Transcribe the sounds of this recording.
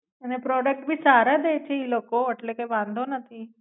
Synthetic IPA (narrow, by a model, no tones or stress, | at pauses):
ənepɾɔɖək̚ʈ̚bʱiːsaɾad̪ejt͡ɕʰeilokoəʈlekajʋãnd̪ʱonət̪ʰi